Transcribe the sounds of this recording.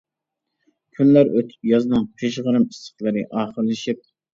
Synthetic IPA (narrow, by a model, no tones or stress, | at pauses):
kʲʰynlæɾøt̪ʰy̥p̚jɑznɨŋpʰeʃʁəɾɨmist̪ə̥χlˠɨɾɨʔɑːχəɾlɨʃip̚